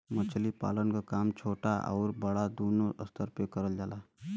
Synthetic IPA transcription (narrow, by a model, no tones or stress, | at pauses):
mət͡ʃʰlipa̰ːlənkakaːmt͡ʃʰoːʈaʔɔ̰ːɾbɐɽad̪oːnoə̰st̪ʰəɾpekɐɾəld͡ʒaːlaː